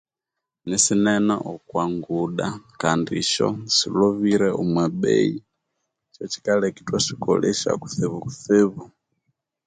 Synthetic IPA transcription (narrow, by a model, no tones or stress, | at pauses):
nɛsinɛnaʔɔkwaŋɡuɗakandḭʃɔ̰silɔβiɾɛʔumwɛɓɛ̰i | t͡ʃɔt͡ʃi̥kalɛkitwaʃikɔ̰lɛʃa̰ku̥θeβuku̥θeβu